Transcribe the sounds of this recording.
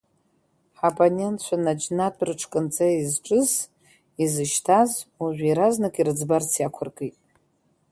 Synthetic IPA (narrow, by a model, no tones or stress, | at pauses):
ħapʼonentʰt͡ʃʷʰanad͡ʒnatʷʰʼrɨʈ͡ʂʰkʼɨnt͡sʼaizʈ͡ʂʼɨz | izɨʃtʰazuʒᶣʷiɾaznɨkʼiɾɨd͡zbart͡sʰjakʷʰarkʼetʼ